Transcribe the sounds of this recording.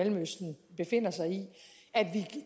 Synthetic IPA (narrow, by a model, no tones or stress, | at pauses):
elm̩øsd̥n̩b̥e̝fe̝n̰ɐsɑ̈ɪi | æd̥ʋi